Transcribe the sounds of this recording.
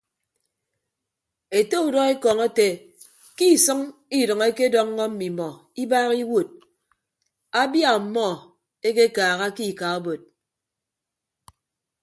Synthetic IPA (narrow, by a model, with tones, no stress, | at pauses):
e˨te˦u˨dɔ˦e˦kɔ˨ŋe˦te˨ | ki˦˨sɨ˦ŋi˦dɨ˨ŋe˦ke˦dɔ˦ŋː˦ɔ˦m̩˦mi˨mɔ˨ | i˦baː˦ɣi˦wo˨t̚ | a˦bja˦˨m̩˨mɔ˦ | e˦ke˦kaː˨ɣa˦ki˦˨ka˨o˦bo˨t̚